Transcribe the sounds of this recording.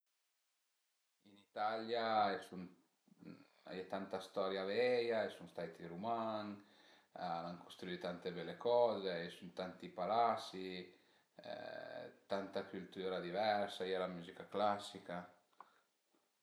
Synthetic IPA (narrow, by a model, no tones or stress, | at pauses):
init̪aljaesun | a̰jɛt̪ant̪ast̪ɔɾjavɛjaesunst̪ajt̪iɾumaŋ | anaŋkost̪ɾuit̪ant̪ebɛlekɔzeaesunt̪ant̪ipalasḭ | t̪ant̪akylt̪uɾad̪ivɛɾsaialamuzikaklasːika